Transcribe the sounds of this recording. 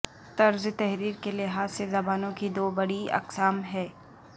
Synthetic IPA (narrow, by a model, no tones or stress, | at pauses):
t̪ɐɾzt̪ɛɦɾiːɾkelɪɦaːzːezɐbaːnõkid̪oːbɐɽiɐ̰qsaːmɦɛː